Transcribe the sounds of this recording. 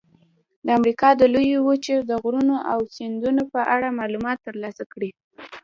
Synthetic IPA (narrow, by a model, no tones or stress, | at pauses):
d̪əamɾikɑd̪əlujowət͡ʃeɾd̪əɣɾunoʔawsɪnd̪unopəʔaɽamɑlumɑt̪ːəɾlɑsakɽi